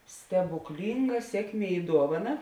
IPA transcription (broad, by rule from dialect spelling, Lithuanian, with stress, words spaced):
sʲtʲɛbʊkˈlʲiːŋɡɐ ˈsʲiɛkˌmʲiɛ ɪ ˈduɔʋɐˌnɐ